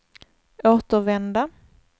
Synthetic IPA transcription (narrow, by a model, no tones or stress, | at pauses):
ʔoːt̪əɾvɛnd̪a